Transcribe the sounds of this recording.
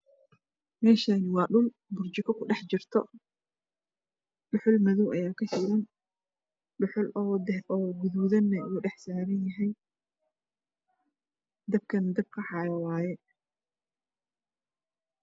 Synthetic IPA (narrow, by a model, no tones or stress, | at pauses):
mɛːʃanɪwɑːɗʊl | bʊrt͡ʃɪkʰɐkʰʊɖɛħt͡ʃɪrt̪ʰɔ̰ | ɗʊħʊlmɐðuwʔɐjaːkʰɐʃɪːɾɐn | ɖʊħʊlːɔːɡʊðuwðɐnːɐuːɖɛħsaːɾɐnjɐɦɛj | d̪ɐb̚kʰɐnd̪ɐb̚kʰɐħɑjɐwaːjɛ